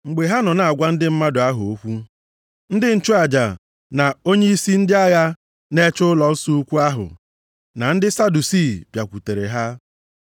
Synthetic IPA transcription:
ŋ͡m̩˨ɡ͡be˨ɦa˦nɔ˨na˨a˨ɡʷa˦n̩˦dɪ˦m̩˦ma˦dʊ˨a˦ɦʊ˨o˦kʷu˦ | n̩˦dɪ˦n̩˦˨t͡ʃu˦a˨d͡ʒa˨ | na˨o˦ɲe˦i˦si˦n̩˦dɪ˦a˦ja˦ | ne˦t͡ʃʊ˦lɔ˨˦su˦u˦kʷu˦a˦ɦʊ̰˨ | na˨n̩˦dɪ˦sa˦du˨si˦˨pja˨kʷu˨te˨ɾe˨ɦa˦

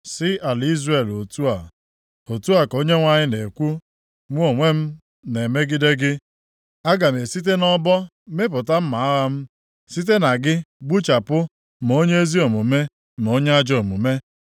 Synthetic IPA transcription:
sɪ˦ʔa˨li˦zre˨lo˨tu˦a˨ | o˨tu˦a˨ko˦ɲe˦ŋʷa˦ɲɪ˦ne˨kʷu˦ | ŋʷu˦o˨ŋʷe˦m̩˦ | ne˨me˦ɡɪ˦de˦ɡɪ˦ | a˦ɡa˨m˨e˨si˦t̬e˦nɔ˦bɔ˦ | me˦p̬ʊ˨ta˦m̩˦ma˨a˦ɣa˦m̩˦ | si˦t̬e˦na˨ɡɪ˦ɡ͡bu˦t͡ʃa˨pʊ˦ | m˨o˦ɲe˦e˦zi˦o˨mu˨me˦ | m˨o˦ɲe˦a˦d͡ʒo˨mu˨me˦

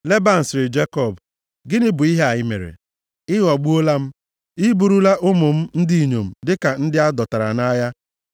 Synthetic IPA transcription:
le˦ba˦n̩˨sɪ˨ɾɪ˨d͡ʒe˦kɔ˦˨b | ɡɪ˦nɪ˦bʊ˨i˦ɦe˦a˨ɲɪ˦mḛ˨ɾḛ˨ | ɪ˦ɣɔ˨ɡ͡bu˦o˦la˦m̩˦ | i˦bu˨ɾu˦la˦ʔʊ˦mʊ˨m̩˦n̩˦di˦i˨ɲo˨m̩˨dɪ˦ka˨n̩˦dɪ˦a˦dɔ˨ta˨ɾa̰˨na˦ja˦

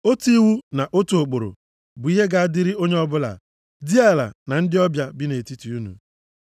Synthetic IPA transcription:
o˦ti˦wu˦na˨ʔo˦tu˨o˨k͡po˨ɾo̰˨ | bʊ˨i˦ɦe˦ɡa˦a˦dɪ˦ɾɪ˦o˦ɲe˦ɔ˦bʊ˦la̰˨ | di˦a˦˨la̰˨na˨n̩˦dɪ˦ɔ˦bja˦bɪ˦ne˨ti˦ti˨u˦nṵ˨

